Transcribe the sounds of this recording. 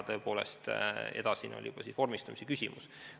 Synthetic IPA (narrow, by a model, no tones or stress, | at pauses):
t̪ɤ̞øpo̞ːle̞̰st̪ed̪ɑsino̰lʲijub̥ɑsisʋo̞rmist̪ɑmisekysʲimus